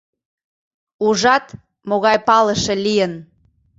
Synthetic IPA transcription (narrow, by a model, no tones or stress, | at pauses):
uʒɑt̪ | moɣɑjpɑləʃelijən